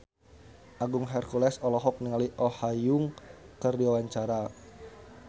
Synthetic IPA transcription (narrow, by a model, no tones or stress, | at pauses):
ʔaɡuŋɦɛrkulɛsɔlɔɦɔk̚niŋaliʔɔhajʊŋkərdiwawaɲt͡ʃaɾa